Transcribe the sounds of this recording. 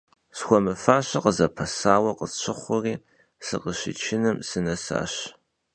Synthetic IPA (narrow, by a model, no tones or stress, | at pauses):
sxʷɔmɨfaːɕɐqəzɐpʰɐsaːwɐqət͡ʃʰɪχʷʊriː | sɨqəɕɪ̰t͡ʃʰɪnɨmsɨnɐsa̰ːɕ